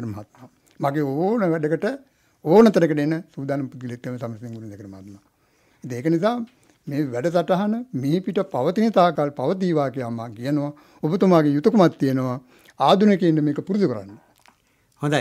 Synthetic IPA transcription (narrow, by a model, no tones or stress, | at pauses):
ɾəmɐɦat̪̚ma | maɡeːonəʋæɖəkəʈə | oːnət̪ənəkəʈenːəsuːd̪aːnɐmpud̪̚ɡilet̪ːeməsaməsneŋɡuɾnd̪ɛkəɾəmɐɦat̪ma | it̪iŋeːkənis̬aː | meːʋæɖəs̬aʈaɦanəmepiʈəpaʋət̪init̪aːkalpaʋət̪̬iːʋaːkejaːmaːkijənəʋa | obət̪umaːɡejut̪əkumat̪ːijənəʋa | aːd̪unekeinɖəmeːkəpuɾusukəɾa̰nːə | hõnd̪a